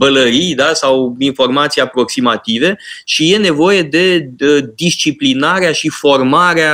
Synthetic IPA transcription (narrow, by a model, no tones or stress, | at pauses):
bələɾijd̪asawinfo̞rmat̪sijapɾo̞ksimat̪ive̞ʃije̞ne̞vo̞je̞d̪e̞əd̪ist͡ʃiplinaɾeaʃifo̞rmaɾea